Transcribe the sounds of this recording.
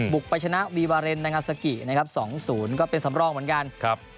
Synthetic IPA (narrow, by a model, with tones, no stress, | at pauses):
bu˨˩k̚pa˧jt͡ɕʰa˧na˦˥wiː˧waː˧ɾe˧nːa˧jŋaː˧˩sa˧ki˨˩na˦˥kʰa˦˥p̚sɔː˩˦ŋsuː˩˦nkɔː˥˩pe˧nsa˩˦mɾɔː˧ŋmɯ˩˦ənka˧nkʰp̚